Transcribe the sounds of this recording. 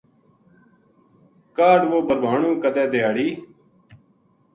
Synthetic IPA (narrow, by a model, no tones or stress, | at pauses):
kaːɖʋoːbəɾbʱaːɳũːkəd̪ɛːd̪eaːɽiː